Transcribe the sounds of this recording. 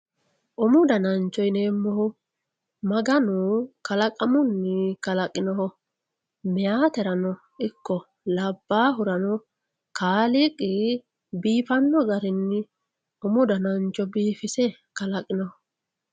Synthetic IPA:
ʔɔmʊd̪ɐnɐnt͡ʃːɔjneːmːɔhʊ | mɐɡɐnʊkɐlɐkʼɐmʊnːɪkɐlɐkʼɪnɔɦɔ | mɛjaːt̪ɛɾɐnɔ | ɪkːɔ | lɐbːaːɦʊɾɐnɔ | kʰaːlɪkʼːɪ | biːfɐnːɔɡɐɾɪnːɪ | ʔɔmʊd̪ɐnɐnt͡ʃːɔbiːfɪsɛ | kɐlɐkʼːɪnɔhɔ

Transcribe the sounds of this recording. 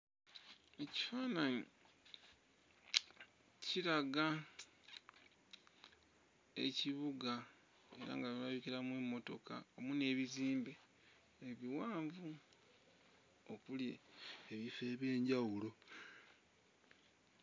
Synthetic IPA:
e̞ci̥faːnaɲi | ciɾaɡa | e̞̰ciβuɡa | e̞̰ɾa̰ŋɡaβiaβiciɾamwe̞mːo̞to̞ka̰o̞mune̞ːβiziːmbe̞ː | βiwaːɱvu | okulje̞̰eβife̞ːβje̞ːɲɟawulo̞

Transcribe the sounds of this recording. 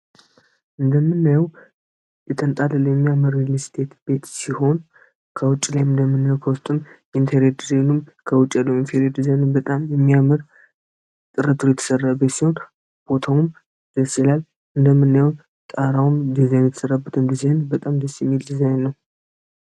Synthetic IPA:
ʔɨnd̪əmːɨnːajɛw | jɛt̪ʰənt̪ʼallɛmːijaməɾlist̪ʰe̞t̪b̥e̞t̪siho̞n | kʰəwʊt͡ʃʼːlajɨnd̪əmːɨnːajwkʰəwʊst̪ʼɨm | infʰeɾed̪izajnumkʰəwʊt͡ʃʼːɛlːəwinfeɾed̪izajnbət̪ʼamjɛmːijamɨɾ | t̪ʼɨɾət̪ʰujɛt̪ʰə̥sərːabet̪siho̞n | b̥o̞t̪ʰawum | d̪̥əsilal | ʔɨnd̪əmːɨnːajɛw | t̪ʼaɾawumd̪izajnjɛt̪ʰə̥səɾabːət̪ʰɨnd̪izajnbət̪ʼamd̪əsːjɛmːild̪izajnːəw

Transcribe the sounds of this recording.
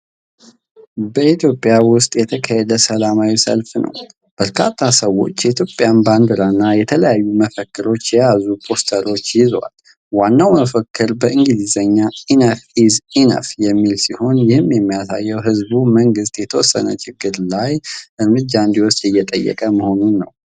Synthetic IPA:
bəit̪ʰjo̞pʼːjawʊst̪ʼjɛt̪ʰəkʰahɛd̪əsəlamawisə̰lfnʔə̰w | b̥əɾkʰa̰t̪ʰːasəwːo̞̰t͡ʃːjɛit̪ʰjopʼjanband̪əɾanːajɛt̪ʰələjajːuməfəkːɨɾo̞t͡ʃːjɛjazupʰo̞st̪ʰəɾo̞t͡ʃːjɪzwa̰l | wanːawməfəkʰːɨɾbəʔɨŋɡɨzizəɲːainəfizinə̰fjɛmːilsiho̞njɪhɨmːjɛmːijasa̰jːɛwɦɨzbuməŋɡɨst̪jɛt̪ʰəwɔsːə̰nə̰t͡ʃʰʼɪɡːɨɾlajʔɨɾmɨd͡ʒaɨnd̪iwɔst̪ʼjɛjːɛt̪ʼəjːɛ̰kʼəməho̞nunːə̰w

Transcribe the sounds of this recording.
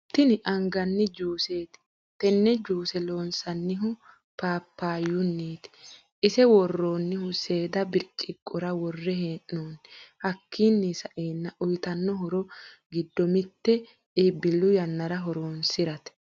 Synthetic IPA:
t̪ːɪnɪʔɐŋɡɐnːɪd͡ʒuːse̞ːt̪ɪ̥ | t̪ɛnːɛd͡ʒuːsɛlo̞ːnsɐnːɪɦʊ | paːpːaːjːʊnːiːt̪ | ʔɪsɛwɔrːo̞ːnːɪhʊse̞ːd̪ɐbɪɾt͡ʃʼːɪkʼːɔɾɐwɔrːɛɦeːʔːoːnɪhɐkːiːnːisɐʔeːnːɐʔʊjt̪ɐnːɔɦɔɾɔɡɪd̪ːɔmɪt̪ːɛ | ɪbɪlːʊjɐnːɐɾɐɦɔɾoːnsɪɾɐt̪ɛ̥

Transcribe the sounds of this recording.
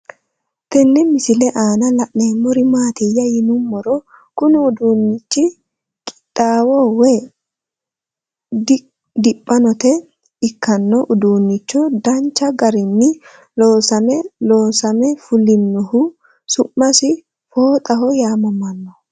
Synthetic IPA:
t̪ɛnːɪmɪsɪlɛʔaːnɐlɐʔneːmːɔɾɪmaːt̪ɪjːɐjɪnʊmːɔɾɔ | kʊnɪʊd̪uːnːɪt͡ʃːɪ | kʼɪ̥tʼːaːwɔwɛ | d | d̪ɪpʼːɐnɔt̪ɛ | ɪkːɐnːɔʔʊd̪uːnːɪt͡ʃːɔd̪ɐnt͡ʃːɐɡɐɾɪnːɪ | loːsɐmɛloːsɐmɛfʊlɪnːɔhʊ | sʊʔːɐsɪ | foːt̪ʼɐhɔjaːmɔmɐnːɔ

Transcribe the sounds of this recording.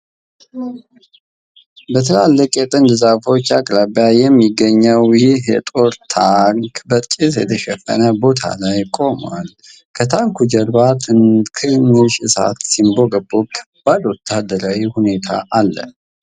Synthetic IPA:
bət̪ʰəlalːəkʼjɛt̪ʼɨnd̪zafo̞t͡ʃːakʼɾabjajɛmːiɡəɲːəwjiɦjɛt̪ʼoɾt̪ʰaŋkbət̪ʼisjɛ̰t̪ʰəʃɛfə̰nəbo̞t̪ʰa̰lajkʼo̞mal | kʰət̪ʰaŋkʰud͡ʒɛɾbat̪kʰɨnːɨʃɨsa̰t̪simbo̞ɡəbːokʰːb̥ad̪wɔt̪ʰːad̪ːəɾawihune̞t̪ʰa̰ʔalːə̰

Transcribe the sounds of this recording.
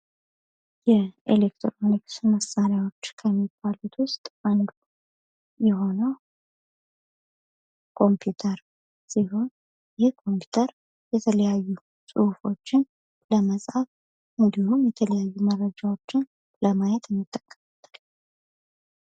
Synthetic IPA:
jɛʔḛlekt̪ʰɾoniksɨməsːaɾjawo̞t͡ʃːkʰəmːib̥ːalut̪ʰwʊst̪ʼʔand̪u | jɛho̞nəw | kʰo̞mpʰjut̪ʰəɾ | siho̞n | jɪhkʰo̞mpʰju̥t̪ʰəɾ | jɛt̪ʰələjajːu | sʼufo̞t͡ʃːɪn | ləməsʼhaf | ʔɨnd̪ihumjɛt̪ʰələjajːumərːəd͡ʒawo̞t͡ʃːɪn | ləmajɛt̪ɪmːɨt̪ʼːəkʼːəmat̪ːəl

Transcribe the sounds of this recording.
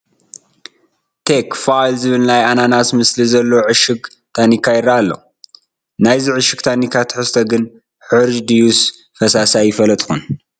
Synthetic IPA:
t̪ʰekfajlzɨβɨlnajananasmɨslizɐlːɐoʕɨʃɨɡ | t̪ʰanikʰːajɪɾːaːlːo̰ | najziʕɨʃɨɡt̪ʰanikʰːat̪ʰɨ̥ħɨst̪ʰɐɡɨn | ħɨɾd͡ʒd̪ijus | fɐsasajɪfɐlɐt̪ʼxun

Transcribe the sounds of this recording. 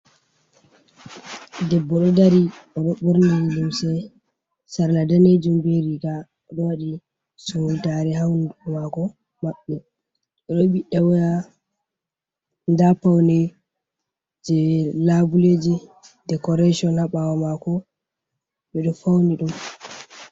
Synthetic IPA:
dɛbːɔɗɔdaɾiɔɗɔɓuɾniluwsɛ | saɾnadaned͡ʒumbeɾiɡa | ɔɗɔwaɗi | suldaɾɛhawnɔmakɔ | maɓːɛ | ɗɔɗɔɓiɗawɔja | ndapawnɛ | d͡ʒɛlabuled͡ʒidɛkɔɾaʃiɔnhaɓawamakɔ | ɓɛɗɔfawniɗum

